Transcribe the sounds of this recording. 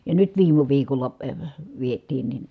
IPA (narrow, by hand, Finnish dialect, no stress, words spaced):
jɑ nyt ʋiːmˑu ʋiːkolˑɑ ʋietˑiːn nin